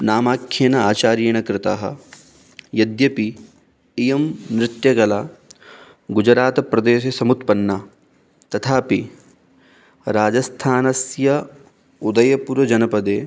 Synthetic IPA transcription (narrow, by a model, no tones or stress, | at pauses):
naːmaːkʰjeːnɐaːt͡ʃaːɾjɐɳ̃ɐkɾɪt̪aːɦɐ̰̆ | jɐd̪jɐpi | ijɐmnɾɪt̪jɐɡɐlaː | ɡud͡ʒɾaːt̪pɾɐd̪eːʃɐsɐmut̪pɐnːa | t̪ɐt̪ʰaːpi | ɾaːd͡ʒɐst̪ʰaːnɐsjɐ | ud̪ɐjɐpuɾɐd͡ʒɐnɐpɐd̪eː